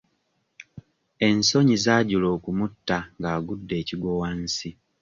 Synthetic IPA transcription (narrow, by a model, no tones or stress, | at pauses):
e̞nso̞ɲizaːɟulo̞ːkumutːaŋɡaːɡudːe̞ːciɡwowansi